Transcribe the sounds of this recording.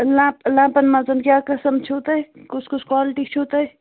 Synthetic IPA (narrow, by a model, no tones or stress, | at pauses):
lãːplãːpɐnmɐzɐnkʲjaːkɐsɐmt͡ʃʰut̪ɐjkut͡ʃʰkut͡ʃʰkwaːlʈit͡ʃʰuːt̪ɐj